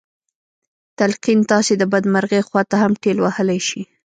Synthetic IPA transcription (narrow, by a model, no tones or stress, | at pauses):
t̪alqint̪ɑsed̪əbad̪maɾɣexwɑt̪ahamʈelwahəlajʃi